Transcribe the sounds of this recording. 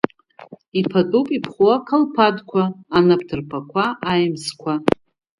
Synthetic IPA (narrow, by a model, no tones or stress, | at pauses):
ipʰatʼupʼipʰχuakʰalpʰadkʷʰaːnap̚ʰtʰɨrpʰakʷʰaʔajmskʷʰa